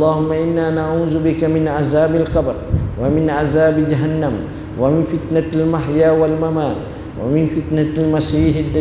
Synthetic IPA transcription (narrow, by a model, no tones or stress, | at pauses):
lːɑːhʊmːaʔɪnːaːnaʕuːzubɪkamɪnʕazaːbalqɑbɾwamɪnʕazaːbd͡ʒaɦanːam | wamɪnfɪt̪nalmaħjaːwalmamaːn | wa̰mɪnfɪt̪nalmasiːħad̪ːa